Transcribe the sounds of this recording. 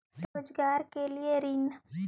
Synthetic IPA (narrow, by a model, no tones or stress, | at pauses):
ɾoːd͡ʒɡaːɾkelieɾiːn